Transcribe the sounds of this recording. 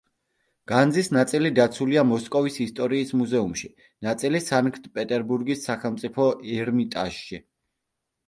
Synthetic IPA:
ɡ̥and̪zisnat̪sʼilid̪at̪sʰuliamɔskʼɔvisist̪ʼɔɾiːsmuzɛumʃi | nat̪sʼilisankʰt̪ʰpʼɛt̪ʼɛɾbuɾɡisːaχɛlˠmt̪sʼipʰɔɛɾmit̪ʼa̰ʃʃi

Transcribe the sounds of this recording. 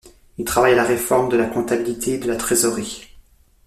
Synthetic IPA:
ilt̪χavajalaʁefɔʁmd̪əlakɔ̃t̪abilit̪ʰeːd̪əlat̪χezɔʁi

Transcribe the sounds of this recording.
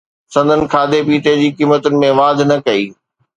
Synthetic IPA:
sɐ̃nd̪ʱənɪ̆kʰaːd̪ʱepiːʈed͡ʑiːkiːmət̪ʊnɪ̆mẽʋaːd̪ʱnɐkɐiː

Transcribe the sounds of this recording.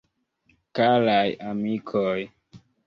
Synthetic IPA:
kalajamikʰoj

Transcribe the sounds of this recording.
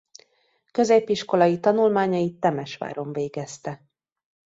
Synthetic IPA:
kø̞zeːpːiʃko̞lɒjit̪ɒnulmaːɲɒjit̪ːɛmɛʃʋa̰ːɾo̞ɱveːɡɛst̪ɛ

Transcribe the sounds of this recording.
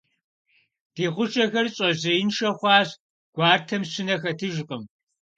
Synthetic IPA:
d̥eːχʷʊt͡ʃʼɐxɐrɕʼɐzɐjɪnʃɐχʷɑːɕ | ɡ̥ʷɑːrtʰɐmɕɪnɐxɐtʰɨʒqʼəm

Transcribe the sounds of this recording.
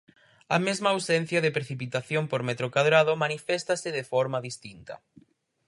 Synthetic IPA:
ɐ̰mezmaːwsɛn̟θjaðepɾeθipit̪aθjompoɾmet̪ɾokwaðɾað̞omanifɛst̪asɪðefɔɾmaðist̪int̪ɐ̰

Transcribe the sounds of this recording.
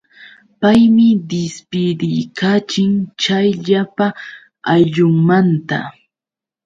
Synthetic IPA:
pajmɪd̪ɪspɪd̪ɪjkʰaːt͡ʃɪŋt͡ʃajʎapa | aʎʊŋmant̪a̰

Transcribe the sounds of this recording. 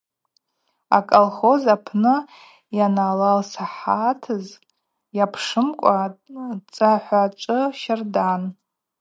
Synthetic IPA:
a̰kʼolχo̞zapʰnɨ | janalalsaħatʰɨz | japʰʂɨmkʷʼat͡sʼaħʷat͡ʃʷʼɨʃardan

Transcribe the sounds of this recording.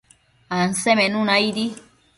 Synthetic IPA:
ansemenũnaid̪i

